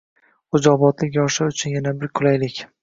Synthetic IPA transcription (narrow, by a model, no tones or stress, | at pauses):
ʊd͡ʒɒbɒt̪lɪkʲjɒʃɪʊt͡ʃʰʊnjanabɪɾkʰʊlajlɪkʲ